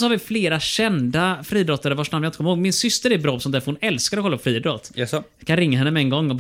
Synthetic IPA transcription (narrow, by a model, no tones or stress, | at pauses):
sɔhaɾvɪfleːɾaɕɛnd̪afɾiːd̪ɾɔt̪ːaɾəɾvaʂnanmːnjaɪnəkʰɔmɪhoːɡmɪnsʏst̪əɾɛbɾɑːɔsɔnt̪æːfɾhʊnɛlskaɾɔkɔlːapːfɾiːd̪ɾɔt̪ | kʰanɾɪŋːaɦɛnːəmɛɛŋɡɔŋːɔb